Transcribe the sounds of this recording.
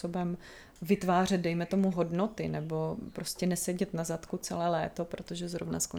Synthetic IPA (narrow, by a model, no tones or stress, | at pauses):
sobɛm | vɪt̪vaːr̝ɛd̪̚dɛjmɛt̪o̞muɦo̞dno̞t̪ɪnɛbo̞pɾoscɛnɛsɛɟɛt̪nazat̪kut͡sɛlɛːlɛ̰ːt̪o̞pɾot̪oʒɛzɾovna̰sko